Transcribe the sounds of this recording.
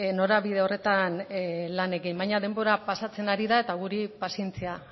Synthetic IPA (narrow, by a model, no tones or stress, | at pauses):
no̞ɾaβiðe̞o̞re̞t̪anlane̞ɣimbajɲað̞e̞mbo̞ɾapasat͡se̞naɾiðae̞t̪aɣuɾipasie̞nt͡sia